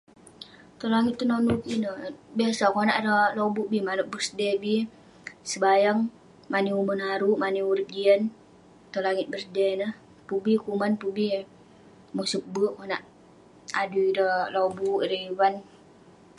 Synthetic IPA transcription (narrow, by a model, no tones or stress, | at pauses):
t̪olaŋɪt̪̚ːənonukinəbiasakonaʔdəlobuʔbimanəʔ̚bəsdɛbi | səbajaŋ | maniumənɦaɾuʔmaniuɾit̪̚d͡ʒiən | t̪olaŋɪt̪̚bəsdɛnəh | pubikumanpubi | musuk̚bəkonaʔ | aduidəlobuiɾeiwan